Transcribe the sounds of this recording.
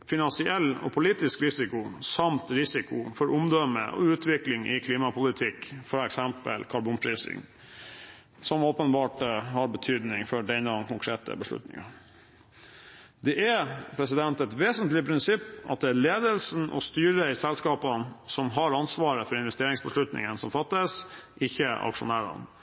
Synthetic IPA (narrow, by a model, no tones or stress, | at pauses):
fɪnɑnsɪɛlːɔ̰pʰʊliːt̪ɪskɾɪsɪkʊsɑmt̪ɾɪsɪkʊfɔɾʔʊmd̪œmə̰ʔɔ̰ʉːt̪ʰʋɪklɪŋʔɪ̰kʰliːmɑpʰʊlɪt̪ʰɪkːfɑɛksɛmpə̰lkʰɑɾbuːnpʰɾiːsɪ̰ŋ | sɔmoːpənbɑːʈɦɑɾbət̪ʰyːd̪nɪŋfɔɖɛɪnɑd̪ɛnkʊŋkʰɾeːt̪ə̰bəʂɭʉ̰t̪nɪ̰ŋɑ | d̪ɛʔæpʰɾɛsɪd̪ɛnt̪ɛt̪ʋeːsənt̪lɪpʰɾɪnsɪpːɑ̰t̪̚d̪ɛæleːd̪əlsn̩ʔɔ̰st̪yːɾəɪsɛlskɑːpənsɔmɦɑɾɑnsʋɑːɾəfɔɾɪnʋɛst̪eːɾɪŋsbəʂlʉt̪nɪ̰ŋənsɔmfɑt̪ːəsʔɪçːəʔɑ̰kʂʊ̰næːɾɑ̰n